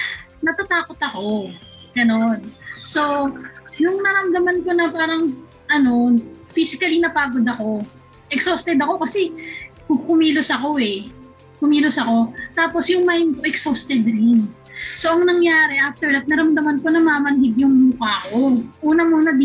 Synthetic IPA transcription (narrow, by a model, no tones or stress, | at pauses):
nɐt̪ɐt̪aːko̞t̪ɐko̞ɡ̥ɐno̞nso̞jʊŋnɐɾɐmd̪ɐmanko̞nɐpaːɾɐŋ | ʔɐno̞fiːsɪkɐlinɐpaːɡo̞d̪ɐko̞ | ʔɛksoːst̪ɛd̪ɐko̞kɐsɛkʊɡ̚kʊmiːlosɐko̞ʔɛ | kʊmiːlosɐko̞t̪aːpo̞sjʊŋmɐjɪnkoʔɛksost̪ɛd̪ɾɪn | so̞ʔɐŋnɐŋjaːɾɛʔaft̪ɛɹd̪at̪̚nɐɾɐmd̪ɐmɐnko̞nɐmamɐnɦɪɡ̚jʊŋmuːkɐɐko̞ʔuːnɐmuːnɐd̪